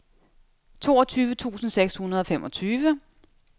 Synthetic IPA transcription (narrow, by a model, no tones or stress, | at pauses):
t͡sʰo̝ːɒ̽t͡sʰyːʋət͡sʰṵːsn̩seɡ̥shunɐð̞̩ˠɒ̽femʔɒ̽t͡sʰyːʋə